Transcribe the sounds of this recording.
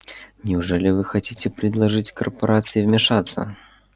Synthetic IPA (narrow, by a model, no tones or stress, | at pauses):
nʲɪʊʐɛlʲɪvɨxɐtʲitʲɪpɾʲɪd̪lˠɐʐɨtʲkərpɐɾʔat̪sɨjivmʲɪʂat̪sːə̰